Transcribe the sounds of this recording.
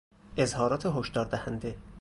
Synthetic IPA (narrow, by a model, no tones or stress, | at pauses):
ʔezhɒːɾɒːt̪ʰeɦoʃd̪ɒːɾd̪æhænd̪e